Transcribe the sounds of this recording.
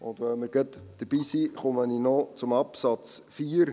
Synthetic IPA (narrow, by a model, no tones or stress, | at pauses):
ʊntvəlmərɡətd̥əbisiχɔməninɔt͡sʊmɐpsɑtt͡sfiːr